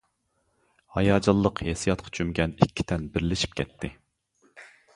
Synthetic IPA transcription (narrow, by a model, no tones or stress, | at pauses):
hɑjɑːd͡ʒɑlˠːəqhesijɑt̪̚qʰɑ̥t͡ʃʰymɡʲɛnikʲʰːi̥t̪ʰɛnbɪɾlɪʃi̥p̚kʲʰɛt̪ʰːɪ